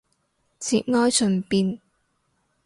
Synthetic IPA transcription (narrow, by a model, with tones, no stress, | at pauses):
t͡sʰiː˨t̚ŋɔː˥jsʰɵ˨npiː˧n